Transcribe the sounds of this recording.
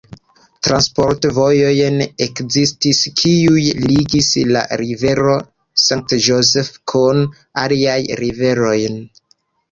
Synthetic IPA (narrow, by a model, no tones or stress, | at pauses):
tɾanspo̞ɾtvo̞jo̞jnekzistiskʰiujliɡisla̰ɾive̞ɾo̞ | saŋk̚td͡ʒozefkʰun | aliajɾive̞ɾo̞jn